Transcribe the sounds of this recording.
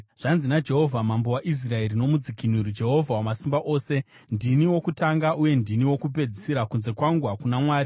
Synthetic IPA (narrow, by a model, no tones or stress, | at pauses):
ʐ̥anzinad͡ʒe̞ɦo̞vʱamambo̞waʔis̬rae̞ɾino̞mud͡zikinuɾid͡ʒe̞ɦo̞vʱawamasimbaʔo̞ːse̞ | ndiniwo̞kutaŋɡaʔuje̞ndiniwo̞kup̬e̞d͡zisiɾakunze̞kwaŋɡuwakunamwaːri